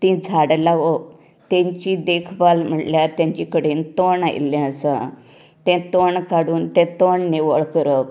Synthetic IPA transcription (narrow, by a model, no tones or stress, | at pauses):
t̪ĩd͡zʱaɽlaɡo | t̪ẽɲt͡ɕid̪ekʰbalm̤əʈljaɾt̪jãɲt͡ɕikəɽent̪oɳaj̰lːɛ̃əsə̰̃ | t̪ɛ̃t̪oɳkaɽuːnt̪ɛ̃t̪oɳneʋəɭkəɾəp